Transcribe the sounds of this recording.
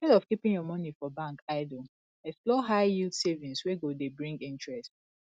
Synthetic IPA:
ɛdɔfkipĩŋjɔmɔnifɔbãŋkaɪdo | ɛksplɔɦaɪjidsevĩnsweɡodebɹĩŋɡĩntɹɛst

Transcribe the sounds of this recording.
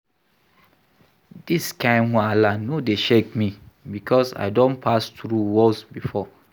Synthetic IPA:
d̥iskʰãɪ̃nwɔ̃alanodeʃekmĩbikʰɔsa̰ɪdõnpʰastɾuwɔlsbifɔ

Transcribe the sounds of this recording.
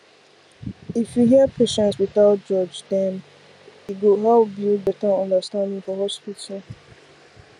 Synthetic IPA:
ifjuɦiəpʰeʃɛ̃ntswiθaʊt̚d͡ʒɔd͡ʒdɛ̃n | iɡoɦɛlp̚bjubɛtə̃nʌ̃ndəstãndĩŋfɔɦɔspitʰəl

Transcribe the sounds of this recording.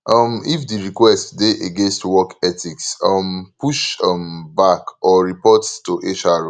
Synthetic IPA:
ʔʌmifdiɹikwɛstdeʔeɡẽnstwɔkɛtʰiksʌmpuʃɔmbakɔɹipɔttuʔet͡ʃaɹo

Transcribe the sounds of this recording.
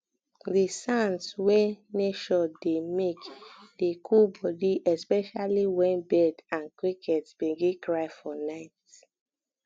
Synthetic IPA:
disãnswɛneʃɔdemekd̥ekʰubɔdiʔɛspɛʃaliwɛ̃nbɛdãnkwikʰɛtsbeɡekɹaɪfɔnaɪt

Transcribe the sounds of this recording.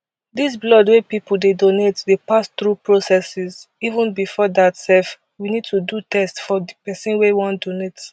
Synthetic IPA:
dis̬blɔdwepipul̩dedonetdepast̪ɹupɹosɛsizivũnbifɔdatsɛf | winid̚tudutɛstfɔdipɛsĩnwewɔ̃ntdonet

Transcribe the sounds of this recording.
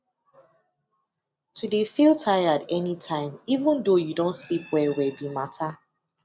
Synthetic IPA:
tʰudefilˠtʰaɪjadɛnitʰãɪ̃mivə̃ndojudõntslipwɛwɛbimatʰa

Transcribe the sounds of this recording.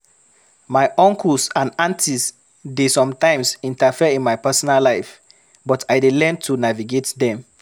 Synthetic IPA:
majʔɔ̃ŋkʰusãnãntʰis | desɔ̃mtãɪ̃msĩntafiəĩnmajpɛsɔnalaɪf | bɔtʰajdelɛ̃ntʰunaviɡetdɛ̃m

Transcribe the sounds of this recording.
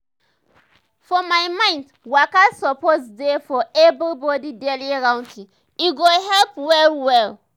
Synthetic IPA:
fɔmajmãɪ̃nd | wakasɔposdefɔebibɔdideliɹãw̃ntʰĩ | iɡoɦɛlpwɛlwɛl

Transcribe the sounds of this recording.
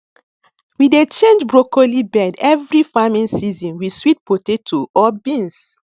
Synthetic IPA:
widet͡ʃẽnd͡ʒbɹokolibɛdɛvɹifamĩnsizɔ̃nwiswit̚potetʰoʔɔbĩns

